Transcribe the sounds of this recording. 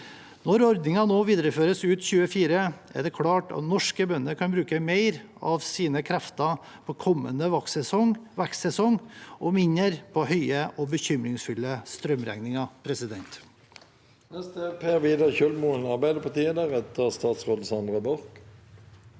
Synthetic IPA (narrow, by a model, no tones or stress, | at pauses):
nɔɾɔɾd̪nɪŋɑnoːʋiːd̪ɾəføːɾəsʉːt̪çʉːəfiːɾəʔæ̰ɖɛkʰlɑːʈɑ̰t̪nɔʂkəbœnːəkʰɑnbɾʉːkəmeɪɾ | ɑʋsiːnəkʰɾæft̪ɑ | pʰɔkʰɔmːə̰nəʋɑksɛsɔŋʋæksɛsɔŋʔɔmɪɲːəɾpʰɔhœʏəʔɔbəçʏmɾɪŋsfʉlːəst̪ɾœmɾæ̰ŋnɪŋɑpʰɾɛsɪd̪ɛnt̪ | nɛst̪əepʰeːʁʋiːd̪əçœlmuənɑʁbæɪd̪əpʰɑt̪ʰiːənd̪æʁɛt̪əʁst̪ɑːt̪sʁoːd̪̩sɑnd̪ʁəbɔʁk